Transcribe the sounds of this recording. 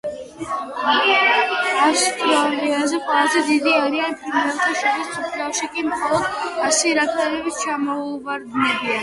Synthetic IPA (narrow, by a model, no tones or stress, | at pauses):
ast̪ʰiaɾiazɛqʼwɛlˠazɛd̪id̪iaɾianpʰiɾmɛlˠt̪ʰaʃaɾist̪sʰʼupʰlaʃikʼimχɔlˠɔd̪asiɾak̪ʰʼɛnɛbit̪ʰt͡ʃʰamɔvaɾd̪nɛbia